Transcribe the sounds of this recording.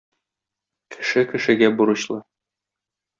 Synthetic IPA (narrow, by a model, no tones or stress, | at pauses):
kʰɘ̥̆ʃɘkɘ̆ʃɘ̆ɡæbuɾɤ̆ɕlˠɤ